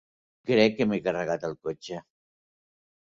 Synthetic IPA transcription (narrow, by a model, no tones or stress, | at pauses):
kɾɛkːəmekərəɣat̪əlˠkot͡ʃə